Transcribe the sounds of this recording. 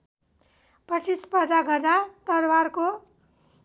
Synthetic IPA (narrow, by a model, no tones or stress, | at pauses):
prʌʈispʌd̪aɡʱʌdat̪ʌɾwarko